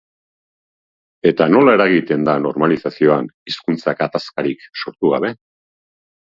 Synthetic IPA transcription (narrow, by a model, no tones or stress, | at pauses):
e̞t̪ano̞lae̞ɾaɣit̪e̞nd̪ano̞ɾmalisasio̞aniskunt͡sakat̪askaɾikso̞ɾt̪uɣa̰β̞e̞